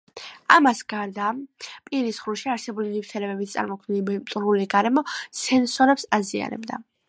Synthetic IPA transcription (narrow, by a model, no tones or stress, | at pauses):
amasɡaɾd̪apʼiɾisχɾuʃiaɾsɛbulinift̪ʰɛlɛbɛbit̪sʼa̰ɾmɔk̪ʰilimt̪ʼɾuliɡaɾɛmɔsɛnsɔɾɛpsazia̰nɛ̰bd̪a